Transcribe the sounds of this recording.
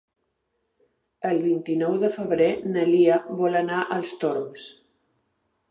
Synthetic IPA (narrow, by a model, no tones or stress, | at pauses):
əlˠβint̪inɔwðəfəβɾenəliaβɔlənaʔəlˠst̪oɾms